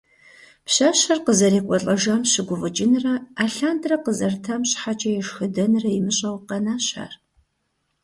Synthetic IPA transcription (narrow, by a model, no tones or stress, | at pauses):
pɕaːɕɐrqəzɐɾeːkʷʼɔɬʼɐʒɐmɕɪɡʷʊvɨt͡ʃʼɪnɨrɐaːɬaːndrɐqəzɐrtʰɐmɕʼħat͡ʃʼɐjɛʂxɨdɐnrɐjɪmɨɕʼɐwqɐnaːɕa̰r